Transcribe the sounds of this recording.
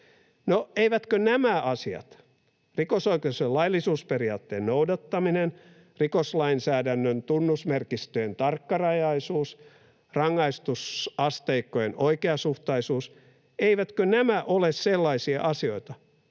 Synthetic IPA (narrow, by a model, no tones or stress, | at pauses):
noeiʋæt̪kønæmæʔɑsiɑ̰t̪ | rikosoikeuselɑilːisuːsperiɑːt̪ːeːnnoudɑt̪ːɑminen | rikoslɑinsæːdænːønt̪unːusmerkist̪øjent̪ɑrkːɑrɑjɑisuːs | rɑŋːɑist̪usɑst̪eikːojenoikeɑsuht̪ɑisuːs | eiʋæt̪kønæmæʔolesselːɑisiɑ̰ʔɑsio̞it̪ɑ